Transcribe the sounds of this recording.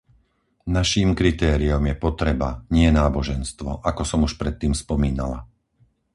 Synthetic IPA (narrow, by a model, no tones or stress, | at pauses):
naʃiːmkɾit̪ɛːɾiɔmjɛpɔt̪ɾɛbaɲɪɛnaːbɔʒɛnst̪ʋɔ̰ʔakɔsɔmuʃpɾɛt̪ːiːmspɔmiːna̰la̰